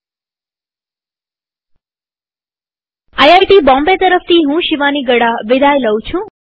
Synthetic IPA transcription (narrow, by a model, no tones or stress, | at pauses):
ajaɡt̪ibɔ̃mbet̪əɾəfʰt̪ʰiɦũʃiʋaniɡəɽaʋɪd̪ajləwt͡ʃʰũ